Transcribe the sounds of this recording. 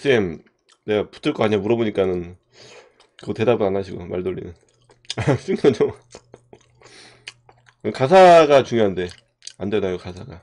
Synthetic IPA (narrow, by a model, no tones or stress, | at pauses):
s͈ɯem | neɡapu̥tʰɯɭk͈ʌkaɲamuɾʌboɲik͈anɯn | kɯɡʌte̞dabɯnanaɕʰiɡomaɭdoʎːḭnɯn | as͈ɯŋʌt͡ɕom | kɯkas̬ʰaɡat͡ɕuŋjoɦande̞ | andenajokasʰaɡa